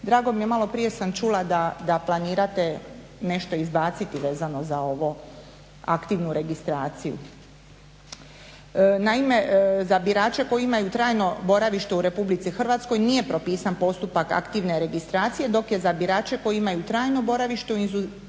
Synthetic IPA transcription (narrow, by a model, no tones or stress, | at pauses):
d̪ɾaːɡo̞mije̞malˠo̞pɾije̞samt͡ʃulˠad̪ad̪aplˠaniːɾat̪e̞ | ne̞ʃt̪o̞izbaːt̪sit̪iʋeːzano̞zao̞ʋo | a̰kt̪iʋnuɾe̞ɡist̪ɾaːt̪sijṵ | naime̞zabiɾaːt͡ʃe̞ko̞jiimajut̪ɾaːjno̞bo̞ɾaʋiʃt̪e̞uɾe̞publit̪sixr̩ʋat̪sko̞jnije̞pɾopiːsanpo̞st̪upaka̰kt̪iʋne̞ɾe̞ɡist̪ɾaːt̪sije̞d̪o̞kje̞zabiɾaːt͡ʃe̞ko̞jimajut̪ɾaːjno̞bo̞ɾaʋiʃt̪euinzu